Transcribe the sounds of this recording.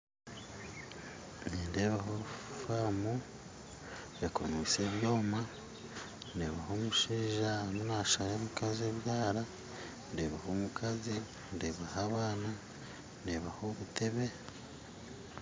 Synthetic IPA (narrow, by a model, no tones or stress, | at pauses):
niːnde̞ːβaɦofaːmu | ekʰo̰nise̞ːβjo̞ːma | ndeːβaho̞ːmuʃiːʒanonaʃaɾemukazieβjaːɾa | ndeːβaho̞mukʰazi | ndeːβahaːβaːna | ndeːβaho̞βute̞βe̞